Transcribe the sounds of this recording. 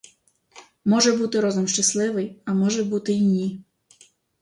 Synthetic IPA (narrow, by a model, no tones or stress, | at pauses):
mɔʒɛbut̪ɪɾɔzʊmʃt͡ʃɐslˠɪʋɪjɐmɔʒɛbut̪ɪinʲi